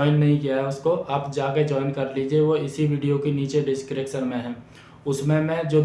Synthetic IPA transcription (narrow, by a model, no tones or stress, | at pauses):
ɪnːɐɦĩkijaɦɛʊskoʔaːpd͡ʒaːked͡ʒɔːɪnkɐɾliːd͡ʒieʋoɪsiʋiːɖijokeniːt͡ʃeɖɪskəɾeːkʃəɾmẽɦɛ̃ː | ʊsmẽmɛ̃d͡ʒoː